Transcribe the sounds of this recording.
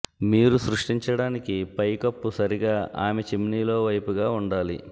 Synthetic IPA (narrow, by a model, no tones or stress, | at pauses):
miːɾusɾuʂʈiɲt͡ʃɐɽaːnikipɐjkɐpːusɐɾiɡaːʔaːmet͡ʃimniːlo̞ːʋɐjpuɡaːuɳɖaːlḭ